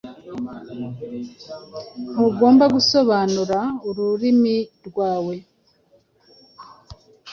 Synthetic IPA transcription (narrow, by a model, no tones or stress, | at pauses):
n̥uɡo̞ːmbaɡuso̞βanuɾauɾuɾimiɾɡwaːwe̞